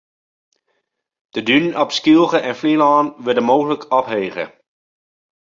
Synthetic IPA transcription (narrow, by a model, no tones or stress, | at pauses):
d̥ədynɔpskilˠɣəʔɛnflilɑːnʋɪdəmoːɣələkʰɑpɦeːɣə̰